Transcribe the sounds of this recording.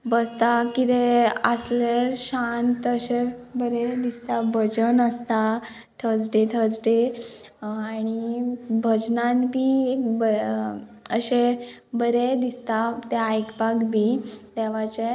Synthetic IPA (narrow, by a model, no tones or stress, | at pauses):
bəst̪akit̪eəsleɾɕant̪əɕebəɾed̪ist̪abʱəd͡zənəst̪a | t̪ʰəd͡zɖet̪ʰəd͡zʈe | aɽ̃ibʱəd͡ʑnãnbʱibə | əɕe | bəɾed̪ist̪at̪eajkpaɡbʱid̪ɛʋat͡ɕe